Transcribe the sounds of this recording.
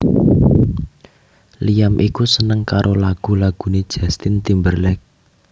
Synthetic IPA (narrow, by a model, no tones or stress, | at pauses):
lijamʔikusənəŋkaɾʔolaɡ̥ṳlaɡ̥ṳned̥ʒ̥a̤st̪ɪnt̪imbərlɛk̚